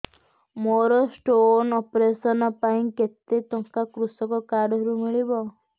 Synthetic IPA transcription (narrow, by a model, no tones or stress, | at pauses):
moɾɔsʈonɔpɾesɔnɔpaĩket̪ːet̪ɔŋkakɾusɔkɔkaɖɦɔɾumiɭibɔ